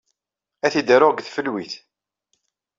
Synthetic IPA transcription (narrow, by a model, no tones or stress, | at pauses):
æθid̪əɾʊʁɡθfəlwiθ